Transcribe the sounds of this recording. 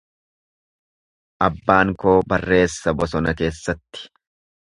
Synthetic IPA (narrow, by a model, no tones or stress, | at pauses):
ʔɐbːaːŋko̞ːbɐrːe̞ːsːɐbɔsɔnɐke̞ːsːɐt̪ːɪ̥